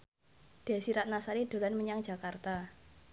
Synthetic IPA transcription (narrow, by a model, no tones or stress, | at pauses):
d̥asiɾat̪̚nasaɾid̥o̤lanməɲaŋd͡ʒa̤kart̪a